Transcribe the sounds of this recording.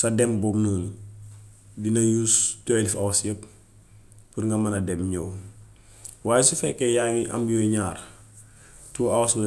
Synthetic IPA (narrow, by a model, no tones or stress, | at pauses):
sɐdɛmbɔmnəːn | dinɐjustɔjlifɐwɐsjəp̚ | puɾŋɡɐmɐnɐdɛmɲɔːw | waːjɛsifɛkːɛjaŋiʔɐ̰mjɔiɲaːr | tuːɐwɐsbɐ